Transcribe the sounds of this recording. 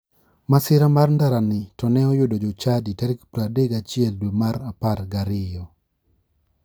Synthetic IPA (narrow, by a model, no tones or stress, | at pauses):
masɪɾamarndaɾanɪtɔnɛɔjʊdod͡ʒɔt͡ʃaditaɾikpɾadeɡat͡ʃɪɛldwemaɾaparɡaɾɪjɔ